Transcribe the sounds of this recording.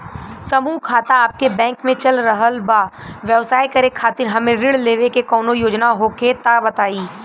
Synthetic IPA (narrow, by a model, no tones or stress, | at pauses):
sɐmuːɦkʰaːt̪aaːp̚kebɛ̃ːŋkmẽt͡ʃɐlɾəɦəlbaːʋjɐʋsaːikɐɾekʰaːt̪ɪɾɦɐmẽɾɪɽleːʋekekɔːnojoːd͡ʒnaɦoːket̪abɐt̪aːiː